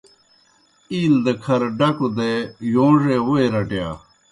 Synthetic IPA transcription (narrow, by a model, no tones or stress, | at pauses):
iːld̪ɐkʰɐɾɖɐkud̪ejõːʐeːwoeɾɐʈja̰ː